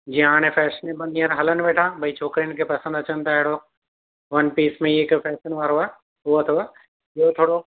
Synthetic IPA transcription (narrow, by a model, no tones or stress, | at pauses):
d͡ʑĩaːɽ̃ẽfɛːʃənẽbɐnijəɾɦɐlənɪ̆ʋeːʈʰaːbʱɐit͡ɕʰoːkɾinɪkʰepɐsə̃nd̪ɐt͡ɕənɪt̪ʰaːɦɪɽo | ʋɐnpiːsmẽɪkfɛːʃənʋaːɾoaː | ɦʊot̪ʰoa | ɪɦot̪ʰoːɽo